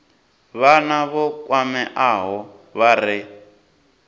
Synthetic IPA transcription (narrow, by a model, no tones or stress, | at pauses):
βanaβɔkʼwamɛʔaɦɔ | βaɾɪ